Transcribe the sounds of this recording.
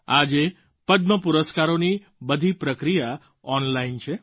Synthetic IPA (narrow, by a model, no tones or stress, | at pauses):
ad͡ʒe | pəd̪məpuɾəskaɾoni | bəd̪ʱipɾəkɾija | ɔnlaint͡ʃʰe